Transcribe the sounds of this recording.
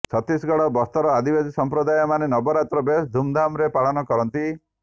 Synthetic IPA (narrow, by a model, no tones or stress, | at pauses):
t͡ʃʰɔt̪ɾisɡɔɽɔbɔst̪ɔɾɔad̪ibesisɔmpɾɔd̪ajɔmanenɔbɔɾat̪ɾɔbesd̪ʱumd̪ʱamɾepaɭɔnɔkɔɾɔnt̪i